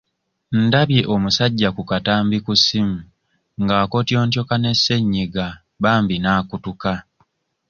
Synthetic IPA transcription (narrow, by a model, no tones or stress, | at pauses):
n̩daβje̞ʔo̞musaɟːakukataːmbikusimu | ŋɡaːko̞tjo̞ːntjo̞kane̞sːe̞ɲːiɡa | βaːmbinaːkutuka